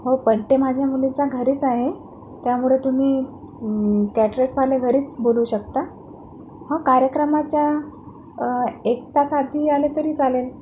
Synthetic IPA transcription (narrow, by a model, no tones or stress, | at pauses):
ɦopəɳʈemad͡ʑʱjamulit͡saɡʱəɾiːt͡saɦe | t̪jamuɭet̪umiː | kæʈɾesʋaleɡʱəɾiːt͡sboluːɕəkt̪a | ɦə̃kaɾjəkɾəmat͡ɕja | ek̚t̪asad̪ʱiːalet̪əɾiːt͡salel